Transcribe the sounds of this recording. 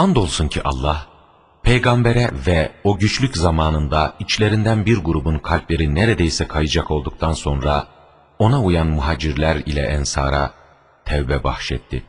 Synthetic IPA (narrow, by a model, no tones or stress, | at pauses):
and̪o̞lˠsuncʰiʔa̰lˠːah | pʰejɡambeɾɛvɛo̞ɟyt͡ʃlʲyczamaːnɯnd̪ait͡ʃlʲe̞ɾind̪ænbiɾɡuɾubunkʰalʲplʲe̞ɾineɾed̪ejsɛkʰajɯd͡ʒako̞lˠd̪uk̚t̪ʰanso̞nɾa | o̞naujanmuɦaːd͡ʒiɾlʲæɾilʲɛ̰ʔɛnsa̰ːɾa | t̪ʰɛvbɛba̰xʃɛt̪ʰːɪ